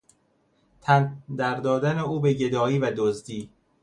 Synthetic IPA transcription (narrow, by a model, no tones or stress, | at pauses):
t̪ʰænd̪æɾd̪ɒːd̪æneuːbeɟe̞d̪ɒːiːvæd̪ozd̪iː